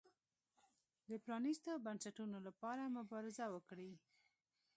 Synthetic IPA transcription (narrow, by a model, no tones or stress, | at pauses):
d̪əpɾɑnist̪obansaʈunolapɑɾamʊbɑɾɪzawəkɽi